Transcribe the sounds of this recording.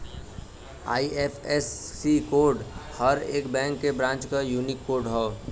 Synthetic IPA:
a̰ːiepʰesːikoːɾɖhəɾḛːkbɛ̃ːŋkːebɾãːnt͡ʃkajuːnɪkːoːɾɖɦə

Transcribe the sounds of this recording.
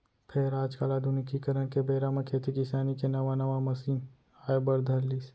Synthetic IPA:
pʰɪɾɾaːd͡ʒkaːlad̪ʊnikikɐɾənkebeːɾamɐ̃kʰeːt̪ʰikɪsaːnikenɐʋanɐʋamɐsiːn | aːebɐɾd̪ʱɐɾliːs

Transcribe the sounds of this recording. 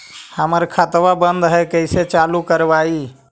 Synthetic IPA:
həməɾkʰat̪ʋabənd̪ɦɛkəɪset͡ʃalukəɾbai

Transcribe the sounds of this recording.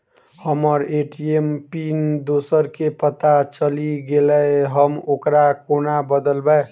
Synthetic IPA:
həməɾeʈiempind̪osəɾkepət̪at͡ʃəliɡeləeɦəmokɾakonabəd̪əlbə

